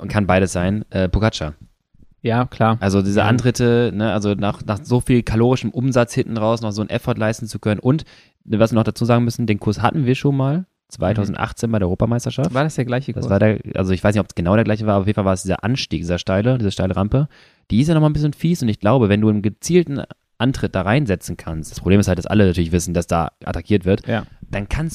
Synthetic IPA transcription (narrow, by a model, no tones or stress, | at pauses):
kʰanbaɪɾəsz̥aɪnʔɛːpʰukat͡ʃa | jaːkʰl̥aːɐʔalzodiːzəʔa̰ntʁ̥ɪtʰənəʔalzonaːχnaːχzoːfiːlkʰaloːʁɪʃəmʔʊmzat͡shɪnʔn̩ʁaʊsnɔχzoːnʔɛ̰fɔɐtlaɪstn̩t͡sukʰœnənʔʊnt | vasviːɐnɔχd̥at͡suːzaːɡŋ̩mʏsn̩deːnkʰʊɐsha̰tn̩viːɐʃoːnmaːl | t͡sv̥a̰ɪtʰaʊzn̩tʔa̰χt͡seːnbaɪɾeːɐɔoːpamaɪstɐʃafttvaɐdasd̥eːɐɡlaɪçəkda̰svaːɐdeːɐʔa̰lzoɪçv̥aɪsnɪçtɔpsɡ̥ənaʊɾeːɐɡlaɪçəvaːɐaɐfjːnfavaɐsd̥iːzɐ̰ʔa̰nʃtiːk̚diːzɐʃtaɪlədiːzɐʃtaɪləʁampə | d̥iːɪstjanɔχmanbɪs̬çənfiːsʊntɪçɡ̥laʊbəvɛnduːɪnmɡət͡siːltn̩ | ʔantʁ̥ɪt̚d̥aːʁaɪnzɛt͡sn̩kʰanstd̥ḁspʁ̥obleːmsthalt̚d̥asʔa̰lənatʰyːɐlɪçvɪsn̩d̥asd̥a̰ːʔa̰tʰakʰiːɐtv̥ɪɐtd̥ankʰans